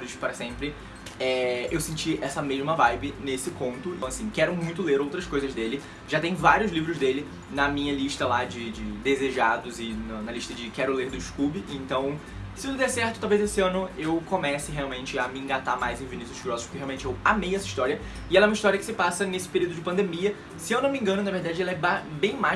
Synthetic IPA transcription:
ɾɪʃpaɾɐsẽmpɾɪ | ɛewsẽnt͡ʃiɛsɐmeʒmɐvajbɪnesɪkõnt̪ʊ̃t̪w̃asĩkɛɾʊmũj̃t̪ʊleɾowt̪ɾɐskojzɐzd̪elɪ | ʒat̪ẽj̃vaɾiʊzlivɾʊzd̪elɪ | nɐmĩɲɐliʃt̪ɐlad͡ʒɪd͡ʒɪd̪ezeʒad̪ʊzɪnʊnɐliʃt̪ɐd͡ʒɪkɛɾʊleɾd̪ʊd͡ʒɪʃkubɪʔẽnt̪ɐ̃w̃ | sɪʊd̪ɛsɛɾt̪ʊt̪awvejzesɪɐ̃nʊewkomɛsɪɦeawmẽnt͡ʃɪɐmɪĩɡat̪amajzẽvinisuʃɡɾɔsʊ̥ʃpʊkɪɦeawmẽt͡ʃɪewamejɛsɐiʃt̪ɔɾiɐ | ɪɛlɐɛũmɐiʃt̪ɔɾiɐkɪ̥sɪpasɐnesɪ̥peɾiwd̪ʊd͡ʒɪpɐ̃nd̪emiɐ | sɪewnõmẽŋɡɐ̃nʊnɐveɾd̪ad͡ʒɪɛlɐɛbabẽj̃ma

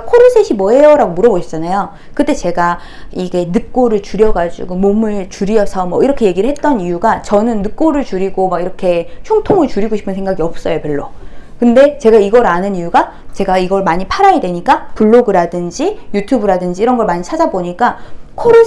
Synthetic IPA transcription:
kʰoɾosʰeɕʰimwʌe̞jʌɾaɡomuɾʌboɕʰi̥t͡ɕ͈anajo | kɯt͈e̞t͡ɕe̞ɡa | iɡe̞nɯk̚k͈oɾɯɭt͡ɕuɾjʌɡad͡ʑṵɡomomɯɭt͡ɕuɾiʌsʰʌmʌiɾʌkʰe̞je̞ɡiɾɯɭɦe̞t̚t͈ʌnijuɡat͡ɕʌnɯnːɯk̚k͈oɾɯɭt͡ɕuɾiɡomaɡiɾʌkʰe̞ɕʰuŋtʰoŋɯɭt͡ɕuɾiɡoɕʰi̥pʰɯnsʰe̞ŋɡaɡiʌp̚s͈ʌjopeɭːokɯnde̞t͡ɕe̞ɡaiɡʌɾanɯnijuɡa | t͡ɕe̞ɡaiɡʌɭmaɲipʰaɾajadweɲik͈apuɭːoɡɯɾadɯnd͡ʑijutʰubɯɾadɯnd͡ʑiːɾʌnɡʌɭmaɲit͡ɕʰad͡ʑaboɲik͈akʰoɾu

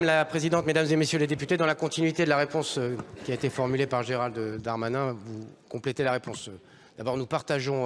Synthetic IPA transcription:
mlapχezid̪ɑ̃t̪med̪amzemesjøled̪epyt̪ed̪ɑ̃lakɔ̃t̪inɥit̪ed̪əlaʁepɔ̃søkʲiaet̪efɔʁmylepaʁʒeʁald̪d̪aʁmanɛ̃vukɔ̃plet̪elaʁepɔ̃s | d̪abɔʁnupaʁt̪aʒɔ̃

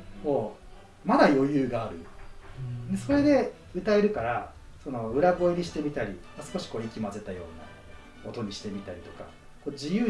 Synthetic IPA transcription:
ko̞ | mad̪ajo̞jɯ̟ːɡaːɾɯ̟ | neso̞ɾe̞d̪e̞ | ɯ̟t̪aeɾɯ̟kaɾa | so̞no̞ɯ̟ɾaɡo̞eɾʲiɕi̥t̪e̞mʲit̪aɾʲi | asɨ̥ko̞ɕi̥ko̞ːikʲimaze̞t̪ajo̞ːna̰ | ko̞t̪o̞ɲ̟iɕi̥t̪e̞mʲit̪aɾʲit̪o̞ka̰ | ko̞ːd͡ʑijɯ̟ː

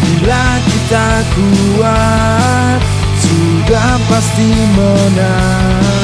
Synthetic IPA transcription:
bila | kit̪a | ku | a | t | su | da | ŋpast̪imɔna

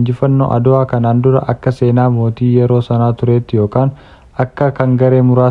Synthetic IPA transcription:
nd͡ʒɪfɐnːo̰ːʔɐd̪ʊaːkɐnaːnd̪ʊɾɐ̰ʔɐkːɐse̞ːnaːmo̞ːt̪iːjɛɾo̞ːsɐnaːt̪ʊɾe̞ːt̪ːɪjo̞ːkaːn | ɐkːɐkɐŋɡɐɾe̞ːmʊɾaː

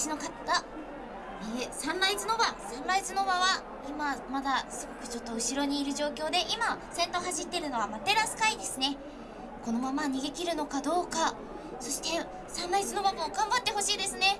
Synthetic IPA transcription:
ɕino̞kat̪ːa | eːsãnɾait͡sɨno̞basãnɾait͡sɨno̞βaβa | imamad̪asɨɡo̞kɯ̟̥t͡ɕo̞t̪ːo̞ɯ̟ɕiɾo̞ɲ̟iːɾɯ̟ʑo̞ːkʲo̞ːd̪e̞ʔimasẽ̞nt̪o̞ɦaʑit̪ːe̞ɾɯ̟no̞βamat̪e̞ɾasɨ̥kaid̪e̞sɨne̞ | ko̞no̞mamaɲ̟iɡe̞kʲiɾɯ̟no̞kad̪o̞ːka | so̞ɕi̥t̪e̞ | sãnɾait͡sɨno̞βbamoːɡãmbat̪ːe̞ɦo̞ɕiːd̪e̞sɨne̞

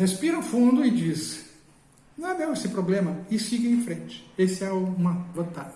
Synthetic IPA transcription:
hespiɾɐʊfũnd̪ʊɪd͡ʒis | nɐ̃w̃ad̪ewesɪpɾoblẽmɐɪsiɡɪẽj̃fɾẽnt͡ʃɪ̥esɪɛʊũmɐbɾot̪a

